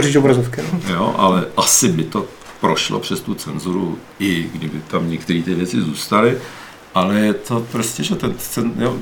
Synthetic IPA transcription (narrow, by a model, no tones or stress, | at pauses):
ʒit͡ʃobɾazofkɪnjo̰ʔa̰lɛʔasɪbɪt̪o̞ | pɾo̞ʃlo̰pr̝̥ɛst̪ut͡sɛnzuɾu | ɪɡdɪbɪt̪amɲɛkt̪ɛɾiːt̪ɪvjɛt͡sɪzuːst̪alɪ | ʔalɛjɛt̪o̞pɾoscɛʒɛt̪ɛnɛnjo